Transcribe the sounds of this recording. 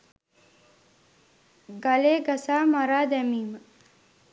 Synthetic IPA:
ɡɐleːɡɐsaːmɐɾaːd̪ɛmiːmə

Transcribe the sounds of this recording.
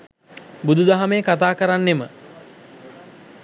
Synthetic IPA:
bud̪ud̪aɦamejəkat̪aːkəɾanːemə

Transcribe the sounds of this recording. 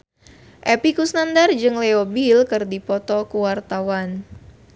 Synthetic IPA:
ʔɛpikusnandard͡ʒɨŋleobilkɨrdipɔt̪ɔkuwart̪awan

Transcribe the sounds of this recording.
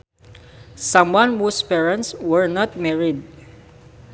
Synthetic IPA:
sãmwãnhuspɛɹãnt̪swɛɹnat̪̚mɛɹɪd̪̚

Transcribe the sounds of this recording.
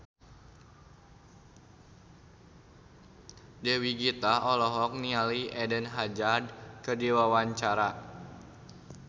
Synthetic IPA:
dɛwiɡit̪aʔɔlɔɦɔk̚nialiʔɛdənɦad͡ʒard̚kərdiwawaɲt͡ʃaɾa

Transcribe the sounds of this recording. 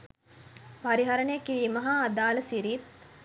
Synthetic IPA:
paɾiɦaɾəɳəjəkiɾiːməɦaːd̪aːləsiɾit̪̚

